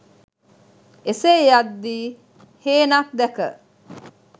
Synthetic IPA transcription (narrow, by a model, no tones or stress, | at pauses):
esejad̪ːiː | heːnak̚d̪ækə̰